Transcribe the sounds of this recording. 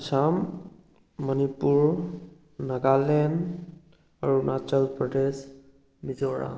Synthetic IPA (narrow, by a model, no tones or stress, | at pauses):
samː | ənipuɹ | naɡalɛn | aɹunat͡ʃəlpɹɔdes | bizɔɹa̰